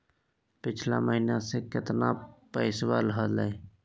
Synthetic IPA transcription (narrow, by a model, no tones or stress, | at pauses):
pɪt͡ʃʰla̰məɦinasekɪt̪napəɪswaləɦələj